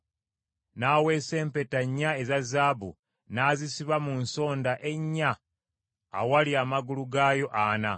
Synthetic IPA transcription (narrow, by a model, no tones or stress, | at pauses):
naːwe̞ːse̞ːmpe̞taɲːae̞zazaːbṵ | naːzisiβamunso̞ːndaʔe̞ɲːa̰ː | waliamaɡuluɡaːjo̞ʔana